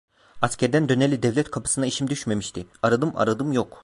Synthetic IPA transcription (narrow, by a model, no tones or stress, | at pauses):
ascʲæɾd̪ænd̪ø̞nelʲid̪ɛvlʲɛt̪kʰapʰɯ̥sɯnaiʃimd̪yʃme̞miʃt̪ʰiaɾad̪ɯmʔa̰ɾad̪ɯmjok